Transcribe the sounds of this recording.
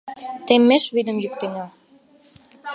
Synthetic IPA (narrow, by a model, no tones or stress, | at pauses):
t̪emːeʃβyd̪ə̆mjykt̪eŋɑ